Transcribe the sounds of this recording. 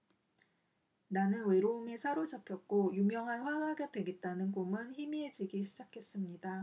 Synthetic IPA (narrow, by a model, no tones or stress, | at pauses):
nanɯnwe̞ɾoumisʰaɾod͡ʑʌpʰjʌt̚k͈ojumjʌŋɦanɸwaɯɦaɡedwe̞ɡe̞t̚t͈anɯnkomɯnçimied͡ʑiɡiɕʰid͡ʑakʰe̞s͈ɯmɲida